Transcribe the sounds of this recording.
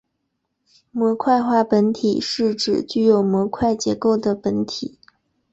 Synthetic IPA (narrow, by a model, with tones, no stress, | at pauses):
mwɔ˧˥kʰwa˥˧ɪxwa˥˩pə˧˥nt̪ʰi˨˩ʂɻ̩˥˩ʈ͡ʂɻ̩˨˩t͡ɕy˥˩jo˨˩ʊmwɔ˧˥kʰwa˥˩ɪt͡ɕjɛ˧˥ko˥˩ʊd̪ə˩pə˧˥nt̪ʰi˨˩˦